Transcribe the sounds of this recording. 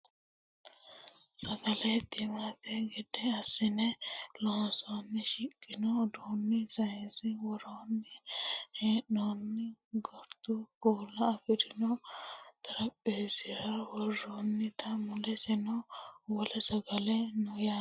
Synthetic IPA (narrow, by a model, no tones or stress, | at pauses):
sɐɡɐlɛd̪ɪmat̪ɛɡɛd̪ɛɐsːɪnɛloːnsonːɪʃɪkʼːɪnɔd̪uːnːɪsɐjɛnsɪwɔɾoːnːɪheːʔonːɪɡɔɾt̪ʊkoːlːɐːfɪd̪ɪnɔt̪ɐɾɐpʼːeːsɪɾɐwɔrːonːɪt̪ʰɐmʊlɛsɛnɔwɔlɛsɐɡɐlɛnɔja